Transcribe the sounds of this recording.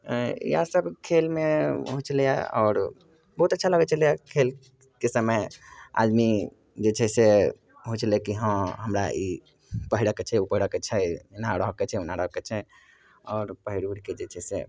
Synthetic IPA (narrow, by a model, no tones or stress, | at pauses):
ḭasəbkʰelmeɦut͡ʃlija̰ɔ̰ːɾ | bəɦut̪ətːʃʰaləɡɛt͡ʃʰəlijakʰel | kesəməja̰d̪mi | d͡ʒet͡ʃʰɛse | ɦot͡ʃlekiɦə̃ɦəmɾa̰ʔi | pəɦiɽəket͡ʃʰɛupəɦiɽəket͡ʃʰɛnaɾəɦəket͡ʃʰɛunaɾəɦket͡ʃʰɛ | ɔɾpəɦiɽuɽked͡ʒet͡ʃʰɛsḛ